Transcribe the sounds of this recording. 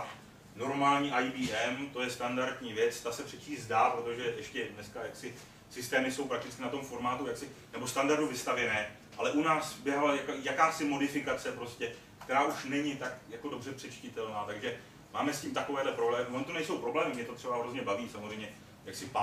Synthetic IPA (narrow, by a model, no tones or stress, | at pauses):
no̞ɾmaːlɲiːʔajbiːʔɛmt̪o̞jɛst̪andaɾdɲiːvjɛt͡st̪asɛpr̥ɛt͡ʃiːzdaːpɾo̞t̪o̞ʒɛʔɛʃcɛdnɛskajaksɪ | sɪst̪ɛːmɪso̞wpɾak̚t̪ɪt͡skɪnat̪o̞mfo̞ɾmaːt̪ujaksɪnɛbo̞st̪andaɾduvɪst̪avjɛnɛː | ʔalɛʔunaːsbjɛɦalajakojakaːsɪmo̞dɪfɪkat͡sɛpɾoscɛ | kt̪ɛɾaːʔuʃnɛɲɪt̪akjako̞do̞brɛpr̥ɛt͡ʃcɪt̪ɛlnaːt̪aɡʒɛ | maːmɛsciːmt̪ako̞vɛːdlɛpɾoblɛːmɪvonot̪onɛjso̞wpɾo̞blɛːmɪmɲɛt̪o̞t̪r̝̥ɛbaɦɾo̞zɲɛbaviːsamozr̝ɛjmɲɛ | jaksɪpa